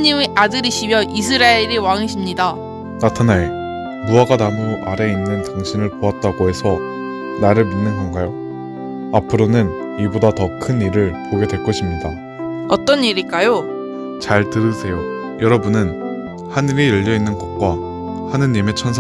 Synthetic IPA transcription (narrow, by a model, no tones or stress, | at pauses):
ɲimiʔadɯɾiɕʰimjʌʔis̬ʰɯɾaeɾiwaŋiɕʰimɲida | natʰanae | muaɡanamuʔaɾe̞inːɯntaŋɕʰinɯɭpoat̚t͈aɡoɦe̞sʰʌ | naɾɯɭminːɯnɡʌŋɡajo | apʰɯɾonɯn | ibodatʌkʰɯniɾɯɭpoɡe̞dwe̞ɭk͈ʌɕʰimɲida | ʌt͈ʌniɾik͈ajo | t͡ɕaɭtɯɾɯsʰe̞jo | jʌɾʌbunɯn | haniɾijʌʎːʌinːɯnɡʌt̚k͈wa | hanɯɲːime̞t͡ɕʰʌnsʰ